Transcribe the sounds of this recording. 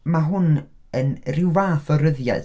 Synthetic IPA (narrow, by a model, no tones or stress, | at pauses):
maɦʊn | ənrɪwvaːθɔɾəðja̰d